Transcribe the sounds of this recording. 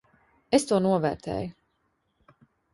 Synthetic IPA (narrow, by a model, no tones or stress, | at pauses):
est̪uɔnuɔvɛːɾt̪ʰɛ̰ːju